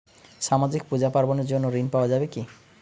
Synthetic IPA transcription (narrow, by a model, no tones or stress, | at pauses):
ʃamad͡ʑikpud͡ʑapaɾboneɾd͡ʑonːoɾinpaoad͡ʑabeki